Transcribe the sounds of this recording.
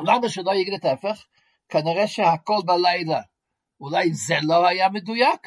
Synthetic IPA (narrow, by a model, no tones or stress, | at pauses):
laməʃəlˠojɪɡnɪtɛfɛχ | kʰaniʁɛʃehakɔlˠbalˠaɪlˠɐ | ulaɪzɛlohajamədujak